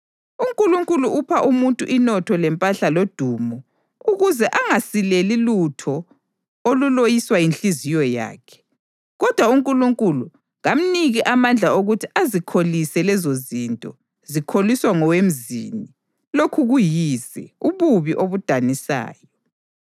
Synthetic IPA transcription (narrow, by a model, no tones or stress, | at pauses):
uŋkʼuluŋkʼuluʔupʰaʔumuntʼuʔinɔtʰɔlɛmpʼaɬalod̥ʱumɔ | uɣuzɛʔaŋasilelilutʰɔ | olulojiswainɬizijɔja̰ːkʰɛ̥ | ɣɔd̥ʱwauŋkʼuluŋkʼulu | ɣam̩niɣiʔamand͡ɮʱaoɣutʰiazikʰolisɛlɛzozintʼɔ | zikʰoliswaŋɔwem̩zḭni | lokʰuɣujizɛuβuβiʔoβud̥ʱanisa̰ːjɔ